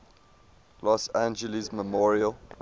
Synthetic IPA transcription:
lɔsãnd͡ʒəlisməmɔɹiəl

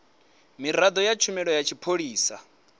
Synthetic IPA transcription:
miɾad̪ɔjat͡ʃʰumɛɺɔjat͡ʃʰipʰoɺiːsa

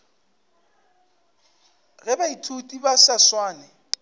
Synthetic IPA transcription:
ɣɛbaitʰutʼibasaswaːnɛ

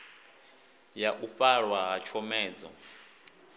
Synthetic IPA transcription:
jaʔuɸʼaɺwaɦat͡ʃʰɔmɛːd͡zɔ

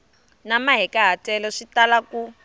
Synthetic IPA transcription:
namaɦɛkaɦatʼɛlɔʂitalaku

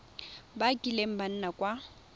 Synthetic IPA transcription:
bakʼilem̩ban̩nakʼwa

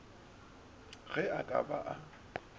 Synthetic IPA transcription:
ɣɛakʼa̰baʔa

